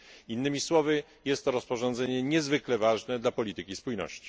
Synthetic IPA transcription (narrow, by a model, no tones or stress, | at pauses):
inːɘmʲiswɔvɘ | jɛst̪ːɔɾɔspɔʐɔ̃nd̪zɛɲɛɲɛzvɘklɛvaʐnɛd̪lapɔlʲit̪ɘkʲispujnɔ̰ɕt͡ɕi̥